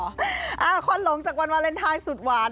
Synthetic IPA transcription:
ʔaː˧˩kʰo˧˨nlo˨˦ŋt͡ɕaː˨˩k̚wa˧nwaː˧˥le˧˥˩nt̪ʰaː˧˩jsu˨˩t̪̚waː˧

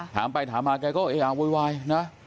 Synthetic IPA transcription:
t̪ʰa̰ː˨˦mpa˧jt̪ʰaː˨˦maː˧˩ka˧kɔ˦˥ʔe˧ʔaː˧wu˧jwaː˧jna˨˦

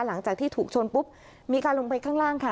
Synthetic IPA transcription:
la˩˦ŋt͡ɕaː˨˩t̪ʰiː˥˩t̪ʰuː˨˩k̚t͡ɕʰo˧npu˦˥p̚ | miː˧kaː˧nlo˧ŋp̬a˧jkʰaː˥˩ŋɾaː˥˩ŋkʰa˥˩

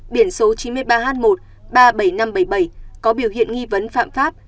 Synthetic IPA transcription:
ɓi˧˩ənso˨˦t͡ɕi˨˦nmɨ˧əjɓaː˧ɦaː˨˦nmo˨˩t̚ | ɓaː˧ɓə˧˩jna˧mɓə˧˩jɓə˧˩jkɔ˨˦ɓi˧˩əwhḭ˧˨ənŋi˧və˨˦nfa̰ː˧˨mfaː˦˥p̚

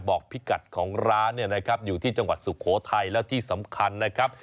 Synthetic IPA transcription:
bɔː˨˩k̚pʰi˦˥ka˨˩t̪̚kʰɔː˩˦ŋɾaː˦˥nːi˥˩ɐna˦˥kʰa˦˥p̚juː˨˩t̪ʰiː˥˩t͡ɕa˧ŋwa˨˩t̪̚su˨˩kʰoː˩˦t̪ʰa˧jlɛː˦˥wt̪ʰiː˥˩sa˩˦mkʰa˧nːa˦˥kʰa˦˥p̚

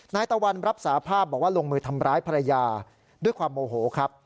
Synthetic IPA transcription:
naː˧jt̪a˧wa˧nɾa˦˥p̚saː˩˦pʰaː˥˩p̚bɔː˨˩k̚waː˥˩lo˧ŋmɯː˧t̪ʰa˧mɾaː˦˥jpʰa˧ɾa˧jaː˧ | du˥˩əjkʰwaː˧mːoː˧ɦoː˩˦kʰɾa˦˥p̚

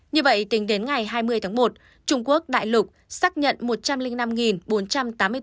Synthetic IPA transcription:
ɲɨ˧və̰˧˨jt̪ï˨˦ŋ̟ɗe˨˦nŋa˨˩jɦaː˧jmɨ˧əjt̪ʰaː˨˦mo˨˩t̚ | t͡ɕʊ˧ŋ͡mku˦˥ək̚ɗa̰ː˧˨jlʊ˨˩k͡p̚saː˦˥k̚ɲə̰˧˨nmo˨˩t̚t͡ɕa˧mlï˧ŋ̟na˧mŋi˨˩nɓo˨˦nt͡ɕa˧mt̪aː˨˦mɨ˧ə

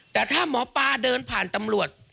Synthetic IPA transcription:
t̪ɛː˨˩t̪ʰaː˥˩mɔː˨˦paː˧dɤː˧npʰaː˨˩nt̪a˧mɾu˨˩ət̪̚

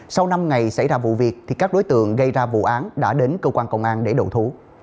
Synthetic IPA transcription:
sa˧wna˧mŋa˨˩jsa˧˩jzaː˧vṵ˧˨vi˨˩ək̚t̪ʰi˨˩kaː˦˥k̚ɗo˨˦jt̪ɨ̰˧˨əŋɣə˧jzaː˧vṵ˧˨ʔaː˨˦nɗa̰ː˧˥ɗe˨˦nkəː˧kwaː˧nkə˧wŋ͡mʔaː˧nɗe˧˩ɗo̰˧˩t̪ʰu˨˦

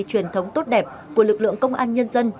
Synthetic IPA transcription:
t͡ɕwi˧˩ənt̪ʰə˨˦wŋ͡mt̪o˦˥t̚ɗɛ˨˩p̚ | ku˧˩əlɨ˨˩k̚lɨ̰˧˨əŋkə˧wŋ͡mʔa̰ː˧nɲə˧nzə˧n

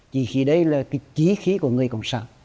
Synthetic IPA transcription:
t͡ɕi˧˨˩xi˨˧˦ɗə˨˦jlaː˨˩kaː˨˦t͡ɕi˨˦xi˨˦ku˧˩əŋɨ˨˩əjkɔ̰˧˨wŋ͡msa̰ː˧˩˦n

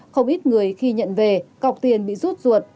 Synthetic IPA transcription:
xə˧wŋ͡mʔi˦˥t̚ŋɨ˨˩əjxi˧ɲə̰˧˨nve˨˩ka˨˩wk͡p̚t̪i˨˩ənɓḭ˧˨zu˦˥t̚zu˨˩ət̚

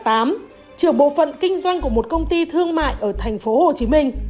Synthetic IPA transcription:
t̪aː˨˦m | t͡ɕɨ˧˩əŋɓo̰˧˨fə̰˧˨nkï˧ŋ̟zwa˧jŋ̟ku˧˩əmo˨˩t̚kə˧wŋ͡mt̪i˧t̪ʰɨ˧əŋma̰ː˧˨jʔəː˧˩t̪ʰɛ˨˩ŋ̟fo˨˦ho˨˩t͡ɕi˨˦mï˧ŋ̟

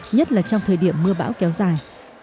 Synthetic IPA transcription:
ɲə˦˥t̚laː˨˩t͡ɕɔ˧wŋ͡mt̪ʰəː˨˩jɗi˧˩əmːɨ˧əɓa̰ː˧˥wkɛ˨˦wzaː˨˩j

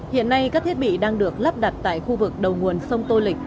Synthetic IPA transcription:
hḭ˧˨ənːa˧jkaː˦˥k̚t̪ʰi˦˥t̚ɓḭ˧˨ɗaː˧ŋɗɨ˨˩ək̚la˦˥p̚ɗa˨˩t̚t̪a̰ː˧˨jxu˧vɨ˨˩k̚ɗə˨˩wŋu˨˩ənsə˧wŋ͡mt̪o˧lï˨˩k̟̚

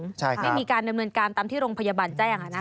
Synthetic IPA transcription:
t͡ɕʰa˥˩ja˥˩˦miː˧kaː˧nda˧mnɤː˧nkaː˧nt̪aː˧mt̪ʰiː˥˩ɾoː˧ŋpʰa˧jaː˧baː˧nt͡ɕaː˥˩jʔa˧˩ʔa˧˩naː˥

